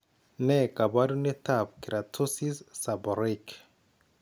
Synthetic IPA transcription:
nɛ˦ka˨ba˦du˦nɛ˦ta˦˨p̚ki˨ɾa˨tʰu˦si˦sːa˨bɔ˨ɾik

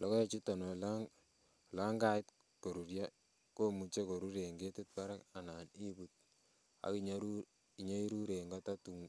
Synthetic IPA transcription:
lɔ˨˦kɔ˦je˦t͡ʃi˦ta˨no˨la˦ŋ˨ | la˦ŋɡa˨˦ɪ˦t | ko˨ɾu˨ɾja˦ | ko˦mu˨t͡ʃe˦ko˨ɾu˦ɾe˨ŋɡe˦tɪ˦t̚pa˦ɾa˦ka˨na˨ni˦bu˨t̚ | a̰˨˦ki˦ɲu | i˨ɲa˦i˦ɾu˦ɾe˨ŋɡa˦ta˦tu˨ŋ

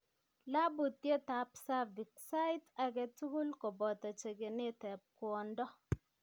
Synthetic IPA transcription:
la˦bu˨t̪ːje˦ta˨psa˦vi˨k̚sa˦ɪ˦ta˨ɡɛ˦tu˦ɡu˦lkɔ˨bɔ˨tɔ˨t͡ʃe˨ɡe˨nɪ˦tɛ˨p̚kwɔ˨ndɔ˦

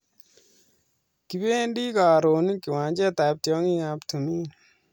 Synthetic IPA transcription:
ki˨be˦ndi˦kaː˨ɾo˨ni˦ki˨wa˨ɲd͡ʒɛ˦ta˨p̚tjɔ˧˦ŋi˦a˧ptʰu˨miː˦

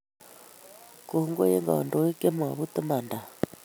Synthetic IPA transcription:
ku˨hu˦ŋɡɔ̰˦jɛ̰˦ŋɡa̰˨ɔ̰˨ndɔ˨wɛ˦kʼɛ˦m˨a˨βu˦t̪ɪ˦ma˨nda˨

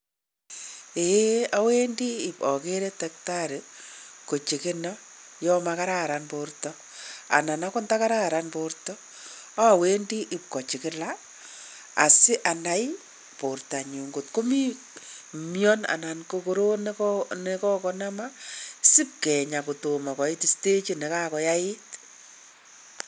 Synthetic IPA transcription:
e˦a˦we˦ndiː˦˨pɔ˨ke˦ɾɛ˦tɛ˨k̚ta˦ɾɪ˨ko˨t͡ʃi˨kɪ˦nɔ˦jɔ˦ma˨ka˦ɾa˦˨ɾa˨npo˨rtɔ˦ | a̰˨na˨na˦kɔ˦nta˦ka˦ɾa˦˨ɾa˨npo˨rtɔ˦ | a˦˨we˦ndi˦ʔɪ˨p̚kɔ˨t͡ʃɪ˨kɪ˦la˦ | a̰˨sɪ˦ʔa˨na˨j | po˨rta˨ɲu˨ŋɡo˨tko˦mi˦ | mjɔ˦na̰˨na˨nkoko˦ɾo˦ne˦kne˦kɔ˦kɔ˦na˦ma˦sɪ˦p̚kɛ˨ɲa˨ko˨to˨ma˨kɔ˨ɪ˦ti˦ste˦t͡ʃi˦ne˨ka˦kɔ˨ja˦ɪ˦t

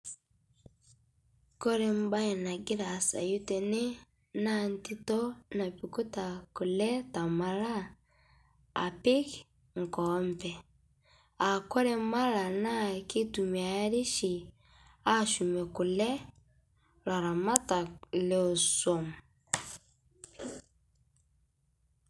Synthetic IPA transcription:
kɔ˦ɾɛ˦m̩˦ba˦jɛ˨na˨ɡi˦ɾa˨sa̰˨ju˦tɛ˨ne˦ | na˦˨n˦ti˦tɔ˦na˨pi˨ku˦ta˨ku˨lɛ˦ta˨ma˨la˦ | a̰˨pi˦k | ŋ̩˨kɔ˨mpɛ˨ | a˨kɔ˦ɾɛ˦ma˦la˨na˦ki˦tu˨mia˨˦ɾi˦ʃi˨ | a˦ʃu˨mɛ˨ku˨lɛ˦ | la˨ɾa˨ma˦ta˨lɛ˦ɔ˨sɔm

